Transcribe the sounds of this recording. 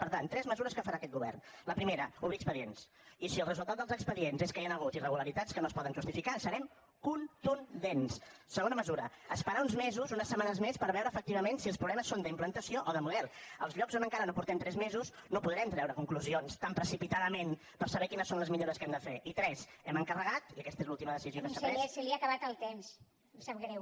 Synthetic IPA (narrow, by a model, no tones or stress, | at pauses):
pəɾt̪ant̪ːɾɛzməzuɾəskəfəɾaəkɛt̪ɡuβɛ̰rnləpɾimeɾəuβiəkspəðiens | isiəlˠrəzulˠt̪at̪əlˠzəkspəðienzeskəeanəɣutirəɣuləɾit̪atskənoəspɔðənʒust̪ifikasəɾɛm | kunt̪und̪enssəɣonəməzuɾəəspəɾaunzmezuzunəsəmanəzmespəɾβɛwɾəːfək̚t̪iβəmensiəlˠspɾuβlɛməsːond̪əimplənt̪əsioʔɔðəmuðɛlˠə̰lˠzʎɔkzonəŋkaɾənopuɾt̪ɛmt̪ɾɛzmezuznopuðɾɛmt̪ɾɛwɾəkuŋkluzionst̪ampɾəsipit̪aðəmen | pəɾsəβɛkinəsːonləzmiʎoɾəskɛmd̪əfeʔit̪ɾɛzɛməŋkərəɣat̪iəkɛst̪əezlulˠt̪iməðəsiziokəsəsiliakəβat̪əlˠt̪ems | saɾɛ